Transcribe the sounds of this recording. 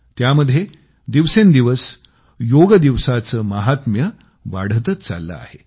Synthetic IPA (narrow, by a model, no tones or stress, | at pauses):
t̪jaməd̪ʱje | d̪iʋsend̪iʋəs | joɡəd̪iʋsat͡səməɦat̪mjə | ʋa̰ɽ̤ət̪ət̪t͡sa̰lːə̰a̰he